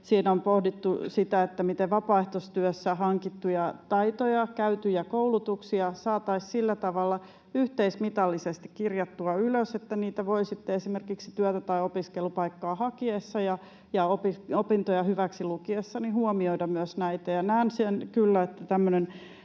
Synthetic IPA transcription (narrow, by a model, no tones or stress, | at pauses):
siːnompohdit̪ːusit̪æet̪ːæmit̪eʋʋɑpɑˑeht̪ost̪yøsːæhɑŋkit̪ːujɑt̪ɑit̪ojɑkæyt̪yjɑkoulut̪uksiɑsɑːt̪ɑissilːæt̪ɑʋɑlːɑ | yht̪eismit̪ɑlːisest̪ikkirjɑt̪ːuɑyløset̪ːæniːt̪æʋoisit̪ːeesimerkiksi̥t̪yœt̪æt̪ɑiopiskelupɑikːɑːhɑkiesːɑjɑ | jɑopiopint̪ojɑhyʋæksilukiesːɑnihuomioidɑmmyøsnæit̪æjɑnæːnsenkylːæet̪ːæt̪æmːønen